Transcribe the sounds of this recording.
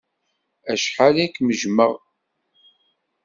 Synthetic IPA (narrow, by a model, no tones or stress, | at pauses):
æʃħalikməʒməʁ